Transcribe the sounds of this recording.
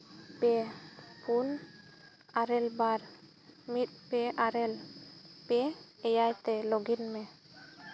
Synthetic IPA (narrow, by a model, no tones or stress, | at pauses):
pɛpʰun | aɾɛlbaɾ | mit̪̚pɛʔaɾɛlpɛɛjajt̪ɛlɔɡinmɛ